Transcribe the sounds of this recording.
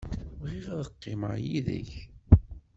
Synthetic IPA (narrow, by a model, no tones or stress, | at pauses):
ʁiʁðəqːɪməʕjiðə̰ç